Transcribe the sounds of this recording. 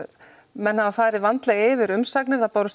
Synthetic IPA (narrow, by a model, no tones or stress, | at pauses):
mɛnːhavafaːjɾɪvant̪laɪːvɪɾʏmsaknɪ̥θaðt̪awɾʏs